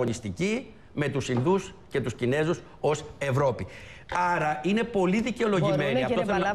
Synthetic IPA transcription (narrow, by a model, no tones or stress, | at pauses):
onist̪ici | me̞t̪usinðus | ce̞t̪uscine̞zus | o̞se̞vɾo̞pi | ɐɾɐine̞po̞liðice̞o̞lo̞ʝime̞niɐft̪oθɐ